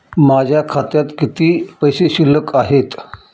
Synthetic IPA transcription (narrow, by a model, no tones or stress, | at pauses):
mad͡ʑʱjakʰat̪jat̪kit̪iːpəjseɕiləkaɦet̪